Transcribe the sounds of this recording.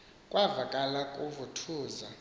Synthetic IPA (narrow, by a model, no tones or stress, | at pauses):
kʼwavakʼalakʼuvutʰuːza